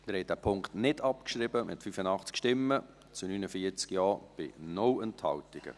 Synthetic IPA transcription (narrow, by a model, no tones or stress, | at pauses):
əɾhɛt̚d̥æpʰʊŋktnɪdɑpkʃɾɪbəmʔɪ̰tfyfənɑχt͡skʃtɪmːə | t͡sunynəfiət͡skjɑːb̥ɪ̰nɔwənthɑ̰wtɪɡ̥ə̰